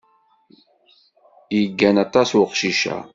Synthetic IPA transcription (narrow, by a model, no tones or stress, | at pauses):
jəɡːænɑt̪ˤɑswʊqʃiʃæ̰